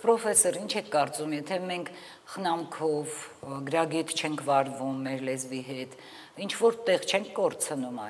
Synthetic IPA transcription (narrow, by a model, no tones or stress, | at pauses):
pɾɔfɛsɔɾint͡ʃʰɛkʰːɑɾt͡sumjɛt̪ʰɛmɛŋkʰ | χənɑmkʰɔvɡəɾɑɡit̪ʰt͡ʃʰɛŋkʰvɑɾvumːɛɾlɛzviɦɛt̪ | int͡ʃʰvɔɾt̪ɛʁt͡ʃʰɛŋkʰkɔɾt͡sʰənumɑ